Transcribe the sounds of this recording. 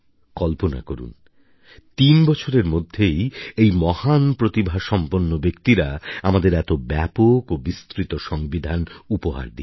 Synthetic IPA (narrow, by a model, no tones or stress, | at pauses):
kɔlpona̰koɾṵn | t̪inbɔt͡ɕʰoɾeɾmod̪ʱːejejmɔhanpɾot̪ibʱaʃɔmponːobekt̪iɾaamad̪eɾɛt̪obɛpokobist̪ɾit̪oʃɔŋbid̪ʱanupoɦa̰ɾd̪i